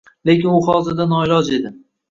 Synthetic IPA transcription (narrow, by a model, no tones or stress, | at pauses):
le̞kʲɪnʊχɒzɪɾd̪anɒɪlɒd͡ʒe̞d̪ɪ